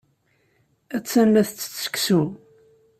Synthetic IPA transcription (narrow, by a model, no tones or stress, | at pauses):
æt͡sːænlæθt͡sːt͡sːə̥ksu